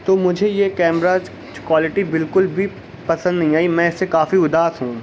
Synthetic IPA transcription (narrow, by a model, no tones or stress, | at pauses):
t̪oːmʊd͡ʒʱejekɛːmɾaːd͡ʒ | d͡ʒkwaːlɪʈibɪlkʊlbʱi | pɐsə̃nd̪nɐɦĩaːimɛ̃ɪsːekaːfiʊd̪aːsɦũː